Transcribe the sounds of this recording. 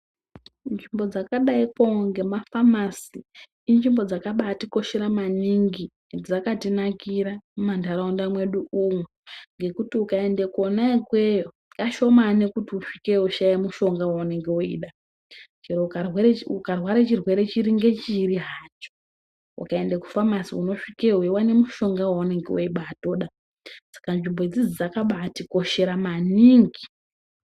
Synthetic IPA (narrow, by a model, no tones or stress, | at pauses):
nimbo̞d͡zakaɗaikoŋɡe̞mafamasiː | nʐimbo̞d͡zakaɓatiko̞ʃeɾamaniŋɡi | d͡zakatinakiɾamumandaɾaundamwe̞ɗuumweŋɡe̞kutiukae̞ndekonakwejo | kaʃo̞manekutiufi̥keuʃajemuʃo̞ŋɡawuneŋɡeuḭːɗa | t͡ʃirweukarwaɾet͡ʃirwe̞ɾe̞t͡ʃiɾiŋɡe̞t͡ʃiɾiɦaːt͡ʃo̥ | ṵkae̞ndeku̥famasiuno̞ʂikeɦwewane̞muʃo̞ŋɡawaune̞ŋɡeoiɓato̞ɗa | sḁkanʐimbo̞id͡zid͡zid͡zakaɓatiko̞ʃe̞ɾamaniːŋɡi